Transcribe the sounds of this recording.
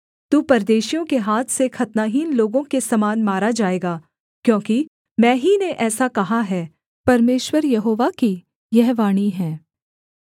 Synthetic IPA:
t̪uːpɐɾd̪eːʃijõkeɦaːt̪ʰsekʰɐt̪naːɦinloːɡõkesɐmaːnmaːɾad͡ʒaːeːɡaː | kjõːki | mɛ̃ːɦineʔɛːsakɐɦaɦɛː | pɐɾmeːʃwəɾjɐɦoːʋaki | jɛɦʋaːɽ̃iɦɛ̃ː

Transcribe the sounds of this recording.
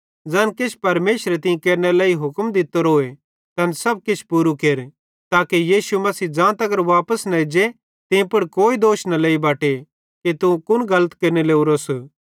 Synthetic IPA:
d͡zɛːnkɪt͡ʃʰpɐɾmeːʃɾet̪ɪ̃ẽkeːɾnelaːiɦʊkmd̪ɪt̪oɾoːe | t̪ɐnsɐb̚kɪt͡ʃʰpuːɾukeːɾ | t̪aːkejiːsumɐsiːd͡ʒãːt̪ɐɡəɾʋaːpəsnɐɪd͡ʒe | t̪ɪ̃pʊɽkoːid̪oːʃnɐleːibaːʈe | kit̪ũkʊnɡɐlət̪keːɾneleːuɾos

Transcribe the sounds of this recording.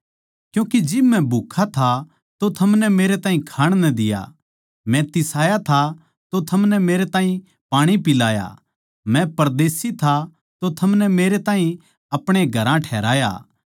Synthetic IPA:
kjũːkid͡ʒɪbmɛ̃bʱukʰːat̪ʰa | t̪ot̪ʰɐmnɛmeːɾet̪aːɦĩkʰaːɽ̃nɐd̪ɪja̰ | mɛ̃t̪ɪsaːjat̪ʰa | t̪ot̪ʰɐmnɛmeːɾet̪aːɦĩ | paːɽ̃ipɪlaːja̰ | mɛ̃pɐɾd̪eːsit̪ʰa | t̪ot̪ʰɐmnɛmeːɾet̪ãːɦĩ | ɐpɽ̃eɡʱɐɾãʈʰɛːɾaːja̰ː

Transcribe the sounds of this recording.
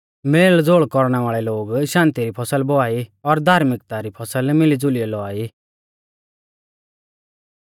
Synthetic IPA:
meːld͡zoːɭkɔɾɽ̃ɛʋaːɭɛloːɡʃãːnt̪iɾipʰɔsəlbɔaːiɔɾd̪ʱaːɾmɪkt̪aɾipʰɔsəlmɪlid͡zʊlijɛlɔaːi

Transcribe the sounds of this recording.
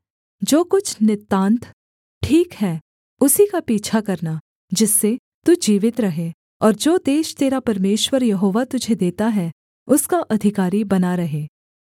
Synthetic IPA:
d͡ʒoːkʊt͡ʃʰnɪt̪ːãːnt̪ʰ | ʈʰiːkɦɛː | ʊsikapiːt͡ʃʰakɐɾna | d͡ʒɪsːe | t̪ud͡ʒiːʋɪt̪ɾɐɦe | ɔːɾd͡ʒoːd̪eːʃt̪eːɾapɐɾmeːʃwəɾjɐɦoːʋat̪ʊd͡ʒʱed̪eːt̪aɦɛ | ʊskaʔɐd̪ʱɪkaːɾibɐnaɾɐɦeː

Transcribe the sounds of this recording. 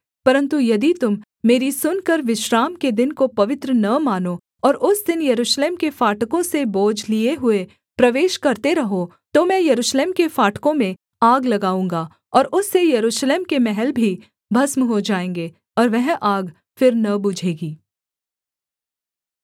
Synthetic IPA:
pɐɾə̃nt̪ujɐd̪it̪ʊmː | eːɾisʊnkɐɾʋɪʃɾaːmked̪ɪnkopɐʋɪt̪ɾənɐmaːno | ɔːɾʊsd̪ɪnjɐɾuːʃleːmkefaːʈkõseboːd͡ʒʱlieɦʊe | pɾɐʋeːʃkɐɾt̪eɾɐɦo | t̪omɛ̃ːjɐɾuːʃleːmkefaːʈkõmẽ | aːɡlɐɡaːũːŋ̆ɡa | ɔːɾʊsːejɐɾuːʃleːmkemɛɦɛlbʱi | bʱɐsmɦod͡ʒaːẽːŋɡeː | ɔːɾʋɛɦʔaːɡ | fɪɾnɐbʊd͡ʒʱeːɡiː

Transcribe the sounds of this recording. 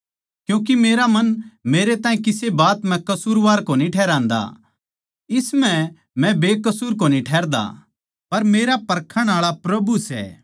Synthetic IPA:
kjũːk̬imeːɾamɐnmeːɾet̪ãːĩkɪsebaːt̪mɛ̃kɐsuːɾʋaːɾkoniʈʰɛːɾãːnd̪a̰ | ɪsmɛ̃ | mɛ̃beːkɐsuːɾkoːnĩʈʰɛːɾd̪a̰ | pɐɾmeːɾapɐɾkʰəɽ̃aːɭapɾɐbusɛ̰ː

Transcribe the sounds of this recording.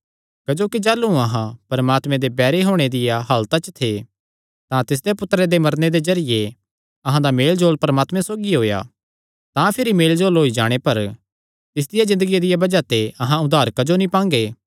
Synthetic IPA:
kɐd͡ʒoːkid͡ʒɐːlːuɐɦãpɐɾəmaːt̪mẽd̪ebɛːɾeɦoːɽ̃ed̪ɪjaɦɐlt̪at͡ʃət̪ʰe | t̪ãt̪ɪs̬d̪epʊt̪ːɾed̪emɐɾned̪ezɐɾɪje | ɐɦãd̪ameːld͡ʒoːlpɐɾəmaːt̪mẽsoːɡiɦoːja̰ | t̪ãpʰɪɾimeːld͡ʒoːlɦoːid͡ʒa̰ːɽ̃epɐɾ | t̪ɪs̬d̪ɪjazɪ̃nd̪əɡijad̪ɪjabɐd͡ʒat̪eɐɦãʊd̪ʱaːɾkɐd͡ʒonĩpãːŋɡeː

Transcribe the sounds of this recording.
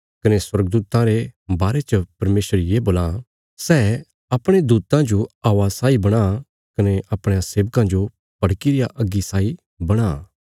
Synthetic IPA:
kɐneswɐɾɡd̪uːt̪ãɾebaːɾet͡ʃəpɐɾmeːsəɾjeboːlã | sɛː | ɐpɽ̃ed̪uːt̪ãd͡ʒoaːʋasaːibɐɽ̃a | kɐneʔɐpɽ̃aseːʋəkãd͡ʒo | pɐɽkiɾijaʔɐɡːisaːi | bɐɽ̃a

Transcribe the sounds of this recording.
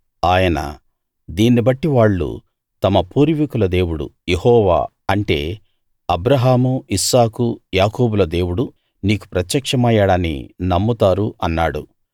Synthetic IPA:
aːjɐnɐ̰ | d̪iːnːibɐʈːiʋaːɭːṵ | t̪ɐmɐpuːɾʋikulɐd̪e̞ːwuɽṵjehɔːʋa̰ː | ɐɳʈe̞ː | ɐbɾɐɦaːmuisaːkujaːkoːbulɐd̪e̞ːwuɽu | niːku̥pɾɐt̪jɐkʂɐmɐjɐɽaːnːḭnɐmːut̪aːɾuʔɐnːaːɽṵ

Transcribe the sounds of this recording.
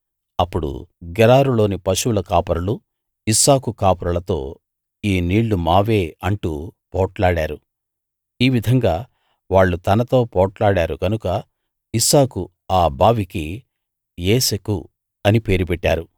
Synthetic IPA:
ɐpːuɽṵɡɛlaːɾulo̞ːnipɐʃulɐkaːpɐɾɐlu | isaːkukaːpɐɾɐlɐt̪o̞ː | iːniːɭːumaːʋe̞ːɐɳʈṵːpɔːʈlaːɽaːɾu | iːʋid̪ʱɐŋɡaː | ʋaːɭːut̪ɐnɐt̪o̞ːpɔːʈlaːɽaːɾuɡɐnukɐ | isaːku | aːbʱaːʋiki | eːseku | ɐnipe̞ːɾupɛʈːa̰ːɾu

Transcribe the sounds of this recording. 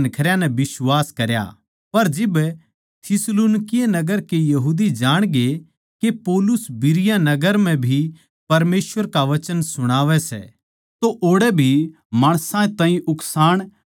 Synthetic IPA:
nkʰɐɾjãnɛbɪswaːskɐɾja̰ | pɐɾd͡ʒɪb | t̪ʰɪsluːnkɪjanɐɡəɾkejɐɦuːd̪id͡ʒaːɽ̃ɡe | kepɔːlʊsbɪɾɪjanɐɡəɾm̤ɛ̃bʱi | pɐɾmeːsʋəɾkaʋɐt͡ʃənsʊɽ̃aːʋɛsɛ̰ | t̪oʔoːɽɛbʱi | maːɽ̃sãẽt̪ãːĩʔʊksaːɽ̃

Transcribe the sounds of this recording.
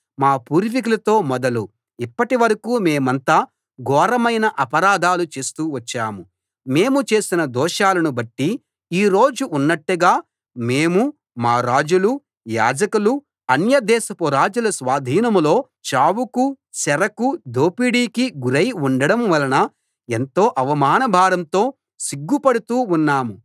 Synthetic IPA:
maːpuːɾʋik̬ulɐt̪o̞ːmɔd̪ɐlu | ipːɐʈiʋɐɾɐkuːme̞ːmɐnt̪aː | ɡɔːɾɐmɐjnɐʔɐpɐɾaːd̪ʱaːlut͡ʃe̞ːst̪uːʋɐt͡ʃːaːmu | me̞ːmut͡ʃe̞ːsinɐd̪ɔːʃaːlɐnubɐʈːi | iːɾo̞ːd͡ʒuʔunːɐʈːuɡaː | meːmu | maːɾaːd͡ʒulu | ja̰ːd͡ʒɐkulu | ɐnjɐd̪ɛːsɐpuɾaːd͡ʒulɐsʋaːd̪ʱiːnɐmlo̞ː | t͡ʃaːwuku | sɛɾɐkud̪oːpiɽiːkiɡuɾɐjuɳɖɐɽɐmʋɐlɐnɐ | ent̪o̞ːʔɐʋɐmaːnɐbʱaːɾɐmt̪o̞ː | siɡːupɐɽut̪uːunːaːmu

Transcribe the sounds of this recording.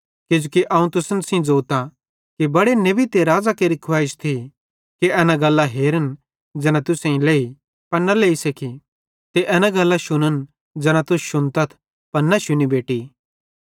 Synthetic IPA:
kɪd͡ʒoːkiʔɐ̃ːũt̪ʊsənsĩd͡zoːt̪a | kibɐɽenɐbit̪eɾaːd͡zakeɾikʰʊʋaːɪʃt̪ʰi | kiɛːnãɡɐlːaɦeːɾən | d͡ʒɛːnãt̪ʊsẽĩleːi | pɐɾnaleːisekʰi | t̪eʔɛːnãɡɐlːaʃʊnən | d͡ʒɛːnãt̪ʊsʃʊnt̪ɐt̪ʰ | pɐɾnaʃʊnibeːʈi

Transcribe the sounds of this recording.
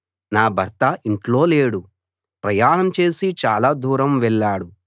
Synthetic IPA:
naːbʱɐɾt̪ɐʔiɳʈlo̞ːle̞ːɽu | pɾɐjaːɳɐmt͡ʃe̞ːsit͡ʃaːlaːd̪ʱuːɾɐmʋɛɭːaːɽu

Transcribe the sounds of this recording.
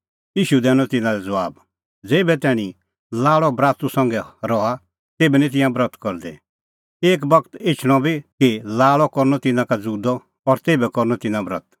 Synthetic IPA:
jiːʃud̪ɛːñɔt̪ɪnãɾɛd͡zɐʋaːb | d͡zeːbɛt̪ɛːɽ̃ĩ | laːɭɔbɾaːt̪usɐ̃ŋɡɛɾɔa | t̪eːbɛnĩt̪̬ɪ̃jãbɾət̪kɔɾd̪ɛ̰ | eːk̬bɐkt̪ɪt͡ʃʰɽ̃ɔ̃bʱikilaːɭɔkɔɾnɔt̪ɪnãkad͡zuːd̪ɔː | ɾt̪eːbɛkɔɾnɔt̪ɪnãbɾə̰t̪

